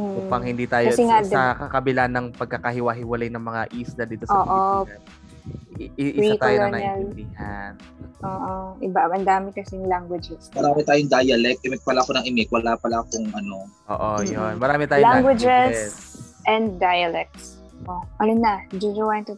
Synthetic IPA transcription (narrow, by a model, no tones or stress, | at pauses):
m̩upɐŋhɪnd̪iːt̪aːjokɐsɛŋaɐkɐkɐbɪlanɐŋpɐɡ̚kɐkɐhɪwɐɦɪwɐlajnɐŋmɐŋaʔiːslɐd̪iːt̪ooːʔo | ɪʔɪiakt̪ːjonɐɪld̪ihan | ʔoːʔoʔɪbaɐnd̪aːmɪkɐsɛŋlaŋɡwɐd͡ʒɛsmɐɾaːmɪt̪aːjoŋd̪ajɐlɛk̚t̪ʔɪmɪk̚pɐlaʔɐkonɐŋʔɪmɪk̚wɐlaːpɐlaʔɐkoŋʔɐno̞ʔo̰ːʔojonmɐɾaːmɪt̪aːjjlaŋɡwɐd͡ʒɛs | ʔɛnd̪̚ːajɐlɛk̚t̪s | poʔɐnonɐd͡ʒud͡ʒɐwant̪ʊ